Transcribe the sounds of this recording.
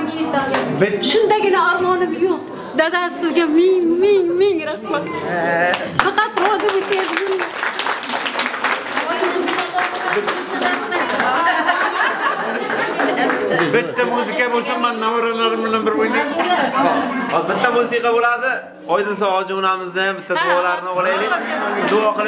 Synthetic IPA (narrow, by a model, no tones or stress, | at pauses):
ʃʊnd̪aɡʲɪnaɔɾmɒnɪmjoq̚ | d̪ad̪asɪzɡʲamɪŋmɪŋmɪŋɾaχmat̪ɪ | faqɑt̪ɾɒd̪ɪbet̪ad̪ɪɡɪla | ana | bɪt̪ːamusɪkʲabolˠsamːanːamɒɾalaɾɪmbɪlanbɪɾbojnaa | bɪt̪ːamusiqɑbolad̪ɪ | ɒjd̪ɪnsaɒd͡ʒɪʊnamɪzd̪ajambɪt̪ʰːad̪ʊɒlaɾɪnɪɒlˠajlɪkd̪ʊɒqɨlˠ